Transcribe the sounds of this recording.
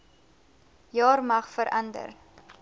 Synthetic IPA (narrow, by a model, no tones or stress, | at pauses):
jɑːrmɐχfəɾʔɐndə̰r